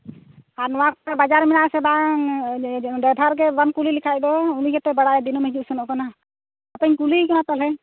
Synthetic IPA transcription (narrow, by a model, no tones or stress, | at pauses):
aɾnɔwakɔt̪abad͡ʒaɾmɛnaʔsɛba | dɛd̪ʱaɾɡɛbankulilikʰajd̪ɔuniɡɛt̪ɛbaɽaɛd̪inumɛd͡ʒusunɔʔkana | at̪əɲkulikanat̪alɛ